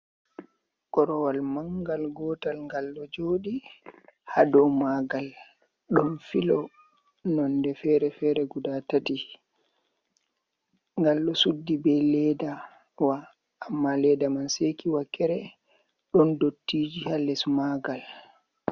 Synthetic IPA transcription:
kɔɾɔwalmaŋɡalɡɔːtalŋɡalːɔd͡ʒoːɗi | hadɔmaɡal | ɗɔnfilɔ | nɔndɛfɛɾɛfɛɾɛɡudatati | ŋɡalɗɔsudːibɛlɛda | waː | mːalɛːdamansekiwakːɛɾɛ | ɗɔndotːiːd͡ʒihalɛsmaɡal

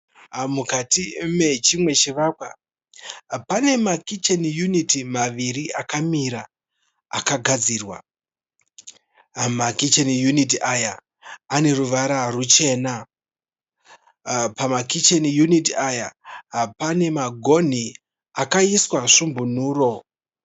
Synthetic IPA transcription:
mukatime̞t͡ʃimwe̞t͡ʃiʋakwa | pane̞makit͡ʃenjunitimaʋiriʔakamiɾa̰ː | kaɡʱad͡ziːrwa̰ | makit͡ʃenijunit̬iʔajaː | ne̞ruʋaɾarut͡ʃe̞na | pamakit͡ʃenijunitiajapane̞maɡʱo̞n̤i | akaiswaʂumbun̤uːro̞

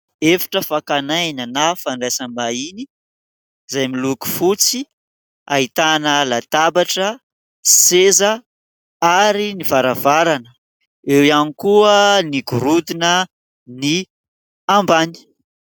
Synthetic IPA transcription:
efḁʈ͡ʂəfakanananafanɖ͡ʐasamaini | zajmiluku̥fut͡si | ait̪anəlat̪abaʈ͡ʂə | sezə | aɾinivaɾavaɾanə | ewjanikuəniɡuɾud̪inə | ni | ambani̥

